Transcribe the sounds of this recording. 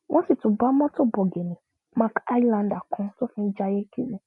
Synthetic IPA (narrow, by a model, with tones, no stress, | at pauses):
wʔɔ̃˦ti˦˨tũ˨ba˨˦mɔ̃˦to˦bɔ˨ɡe˨nĩ˨ | mã˧˦ka˦a˦i˦˨lã˧nda˨kɔ̃˧˦to˦fĩ˧˦d͡ʒa˧je˦ki˦lɛ̃˨